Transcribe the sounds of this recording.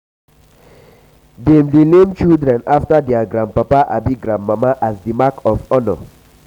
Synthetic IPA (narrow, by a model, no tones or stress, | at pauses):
dɛmdelemt͡ʃildɾɛ̃naftadɛaɡɾãnd̚papaʔa̰biɡɾãndmamaʔasdimakʰɔfɔnɔ̰